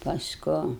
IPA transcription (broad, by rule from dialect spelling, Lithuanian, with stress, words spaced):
pɐsˈkʊ